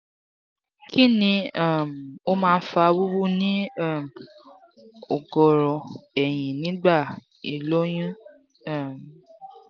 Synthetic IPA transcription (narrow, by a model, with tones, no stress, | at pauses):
ki˦nĩ˧a˦˨m˨o˦mãː˦˧˦fa˧wu˦wu˦nĩ˦a˦˨m˨ | o˨ɡɔ˨ɾɔ˨ɛ˨j̃ĩ˨nĩ˨˦ɡ͡ba˦˨ | i˨lo˦j̃ĩ˦ | a˦˨m˨